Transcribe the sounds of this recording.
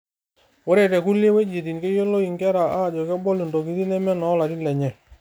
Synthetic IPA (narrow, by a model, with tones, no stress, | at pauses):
wɔ˦ɾe˨tɛ˨ku˦lje˦we˦d͡ʒi˨ti˨nke˦jo˦lo˦i˨ŋɡɛ˦ɾa˨ʔa˦˨d͡ʒɔ˨kɛ˦bɔ˦li˨ndo˨ki˦ti˦nɛ˦mɛ˦nɔ˨˦la˨ɾi˦lɛ˨ɲɛ˨